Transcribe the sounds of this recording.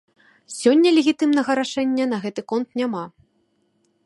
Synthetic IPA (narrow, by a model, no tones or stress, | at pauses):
sʲɔnʲːɐlʲeɣʲit̪ɨmnɐɣɐɾaʂɛnʲːɐnɐɣɛt̪ɨkɔnt̪nʲama